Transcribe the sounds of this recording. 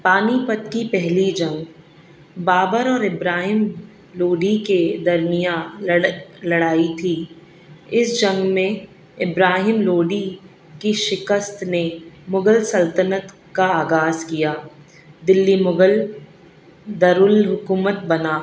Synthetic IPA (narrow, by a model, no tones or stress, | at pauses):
paːnipət̪kipɛɦlid͡ʒɐ̃ŋɡ | baːbəɾɔːɾɪbɾaːɦɪm | loːɖiked̪ɐɾnija | lɐɽaːit̪ʰi | ɪsd͡ʒɐ̃ŋɡmẽ | ɪbɾaːɦɪmloːɖi | kiʃɪkəst̪nemʊɡəlsɐlt̪ənət̪ | kaaːɡaːzkijaː | d̪ɪlːimʊɡəl | d̪ɐɾʊlɦʊkuːmət̪̚bɐnaː